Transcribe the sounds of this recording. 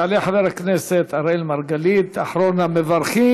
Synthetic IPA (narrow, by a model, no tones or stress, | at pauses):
aleħaveɾhakneset̪aɾelmaɾɡalit̪aħɾonamevaɾχi